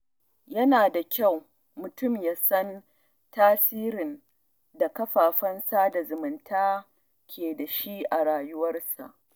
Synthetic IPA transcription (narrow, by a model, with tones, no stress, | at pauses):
jɐ˦naː˨da˨kʲa˦˨w | mʊ˨tʊ˦˨mjaː˦sɐ˦n | taː˦siː˦ɾɪ˨n | da˨kɐ˦ɸaː˨ɸɐ˦nsaː˦da˨zʊ˨mʊ˨ntaː˦ | kʲʰeː˨da˨ʃi˦ʔa˨ɽaː˨jʊ˦wɐ˦rsa̰˨ʔ